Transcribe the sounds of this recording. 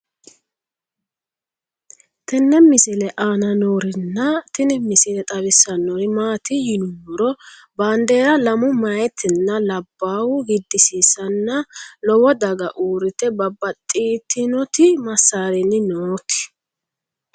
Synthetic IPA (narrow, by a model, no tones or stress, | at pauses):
t̪ɛnːɛmɪsɪlɛʔaːnɐnoːɾɪnːɐt̪ɪnɪmɪsɪlɛt̪ʼɐβɪsːɐnːoɾɪmaːt̪ɪjɪnʊwɔɾɔ | baːnd̪e̞ːɾɐlɐmʊmɐjɛt̪ʰːɪnːɐlɐbːaːwʊɡɪd̪ːɪsiːsɐnːɐlɔwɔd̪ɐɡɐʔuːɾɪt̪ɛbɐbːɐt̪ʼːiːt̪ːɪnɔt̪ɪmɐsːaːɾɛnːɪnoːt̪ɪ̥